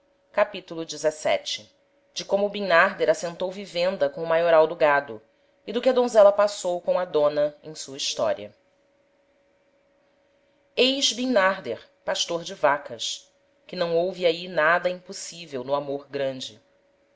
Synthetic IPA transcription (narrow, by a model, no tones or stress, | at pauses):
kapit̪ulʊd͡ʒɪzɛsɛ̰t͡ʃɪ̥ | d͡ʒɪkõmʊbĩŋnaɾd̪eɾasẽnt̪owvivẽnd̪ɐkõʊmajoɾawd̪ʊɡad̪ʊ | id̪ʊkɪɐd̪õzɛlɐpasowkõɐd̪õnɐẽj̃suɐiʃt̪ɔ̰ɾiɐ̰ | ejʒbĩŋnaɾd̪eɾ | paʃt̪oɾd͡ʒɪvakɐs | kɪnɐ̃w̃owviainad̪ɐĩpusivewnʊamoɾɡɾɐ̃nd͡ʒɪ